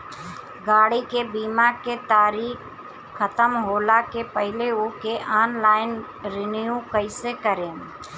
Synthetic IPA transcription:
ɡaːɽikebiːmaːɾket̪aːɾiːk | xət̪əmɦoːlakepəɦɪleukeʔaːnlaːɪn | ɾɪnijũkəɪsekəɾẽː

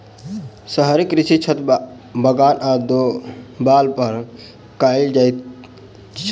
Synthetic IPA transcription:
səɦəɾikɾit͡ʃit͡ʃʰət̪ | bʱəɡaːnad̪obaːlpəɾ | kaɪld͡ʒaj | t͡ʃʰ

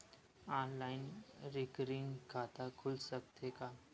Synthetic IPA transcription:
ãːnlaːɪnɾikəɾɪ̃ŋɡkʰaːt̪akʰʊlsək̚t̪ekaː

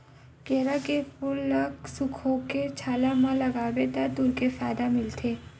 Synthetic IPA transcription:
keːɾakepʊlːɐksʊkʰõket͡ʃʰaːlamãlɐɡaːʋet̪at̪ʊlkefaːd̪amɪlt̪ʰeː

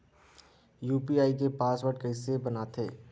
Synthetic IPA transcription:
juːpiaːikepaːswəʈkɐɪsebənat̪ʰḛː

